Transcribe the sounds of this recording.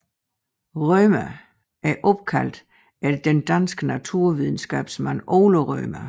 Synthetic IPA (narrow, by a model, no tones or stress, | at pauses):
ʁœmæ | æɐʔɔ̽b̥̚kʰæl̰d̥ | æɐd̥end̥ænsɡ̥ənæt͡sʰuɐ̰ʋiðˠn̩sɡ̥ɛ̰ːb̥smænoːloʁœːmæ